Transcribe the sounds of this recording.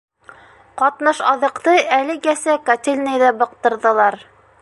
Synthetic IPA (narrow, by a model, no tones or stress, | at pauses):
qɑt̪nɤʃɑðɤ̆qt̪ɤælɘ̆ɡæsækɐt̪ʲelʲnɘjðæbɤ̆q̚t̪ɤ̆ɾðɤ̆lˠɑɾ